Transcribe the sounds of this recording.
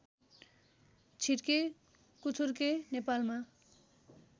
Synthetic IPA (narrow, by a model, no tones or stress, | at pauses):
t͡sʰiɾke | kut͡sʰuɾkenepalma